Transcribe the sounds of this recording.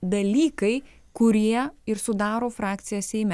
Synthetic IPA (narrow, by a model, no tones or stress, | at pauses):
d̪ɐlʲiːkɐɪ | kʊɾʲiɛɪɾsʊd̪ɑːɾoːfɾɑːk̚t̪sʲɪjɛssʲɛɪmʲɛ